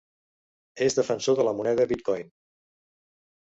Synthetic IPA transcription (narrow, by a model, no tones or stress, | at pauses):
ezðəfənsoðələmunɛɣəβit̪̚kɔjn